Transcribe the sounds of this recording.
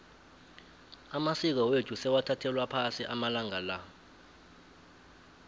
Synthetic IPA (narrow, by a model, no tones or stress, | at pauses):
amasik̬awetʰusɛwatʰatʰɛlwapʰasiʔamalaŋala